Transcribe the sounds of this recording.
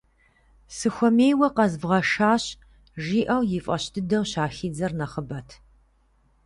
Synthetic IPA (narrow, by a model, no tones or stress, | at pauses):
sɨxʷɔmeːjwɐqɐzbʁɐʃaːɕ | ʒiːʔɐwjɪfʼɐɕtʰɨdɐwɕaːxiːd͡zɐrnɐχəbɐtʰ